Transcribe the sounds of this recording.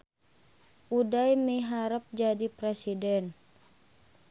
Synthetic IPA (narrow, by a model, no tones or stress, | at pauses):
ʔudajmiɦaɾəp̚d͡ʒadipɾɛsidɛn